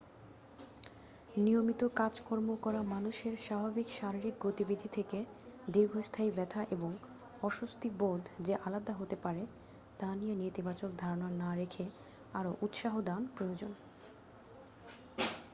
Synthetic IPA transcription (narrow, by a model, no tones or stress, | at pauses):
nijomit̪okad͡ʑkɔɾmokɔɾamanuʃeɾʃabʱabikʃaɾiɾik̚ɡot̪ibid̪ʱit̪ʰeke | d̪iɾɡʱost̪ʰaibɛt̪ʰaʔeboŋ | ɔʃust̪ibod̪d͡ʑeʔalad̪aɦot̪epaɾe | t̪anijenet̪ibat͡ɕok̚d̪ʱaɾonaɾnaɾekʰe | aɾoʔut̪ʃaɦod̪anpɾojod͡ʑon